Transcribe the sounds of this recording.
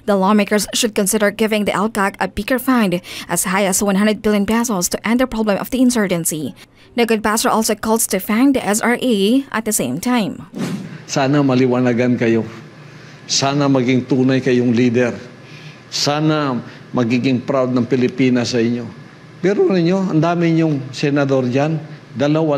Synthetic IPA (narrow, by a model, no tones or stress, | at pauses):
d̪ɐlɔmeɪkə˞ɹsʃʊd̪̚kɔ̃nsɪdəɹɡɪvɪ̃ŋd̪iʔɛlkakɐbiɡəɹfãnd̪ʔɐshajɐswɐ̃nɦãnd̪ɾəd̪̚bɪlˠjɔ̃npɛsəlˠst̪ʊʔɛ̃nd̪əpɹɔblɛ̃mʔɔ̰fd̪iɪ̃nsɜɹd͡ʒɛ̃nsi | d̪ɐɡʊd̚pæsəɹʔɔlsokɔlˠst̪ʊfãʊ̃nd̪iʔɛsaɹʔeʔɐ̰t̪̚d̪əsẽɪ̃mt̪ʰãɪ̃m | saːnɐmɐlɪwanaɡankɐjo̞ | saːnɐmɐɡɪŋt̪uːnajkɐjʊŋliːd̪ɛɾ | saːna | mɐɡiːɡɪŋpɾawd̪̚nɐŋpɪlɪpiːnasɐʔɪɲjo̞ | pɛɾonɪɲjo̞ɐ̰nd̪aːmɪɲʊŋsɛnɐd̪o̞ɾd͡ʒan | d̪ɐlɐwa